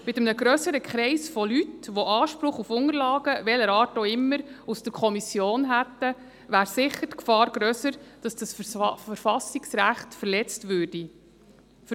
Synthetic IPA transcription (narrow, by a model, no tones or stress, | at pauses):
mɪt̪əmnəɡɾœsəɾəkχɾɛɪsfɔlytʋoʔɑːʃpɾʊχufʊŋəɾlɑːɡəʋɛləɾɑːɾtoɪmːəɾusd̥əɾkʰɔmisjoːnɦætːə | ʋæːɾsɪχːətkfɑːɾɡ̥ɾœsəɾd̥ɑsd̥ɑsfəɾfɑsiksɾæχtfəɾlɛt͡stʋʉːrd̥i | f